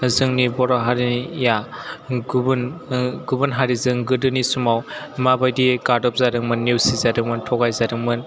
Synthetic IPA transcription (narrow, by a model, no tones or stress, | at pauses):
zɯŋnibɔɾaɦaɾinijaɡbnɡubɯnɦaɾizɯŋɡɯdɯnisumawmabajdiɡadɔp̚zadɯŋmɯnːiwsizadɯŋmɯntʰɔɡajzadɯŋmɯn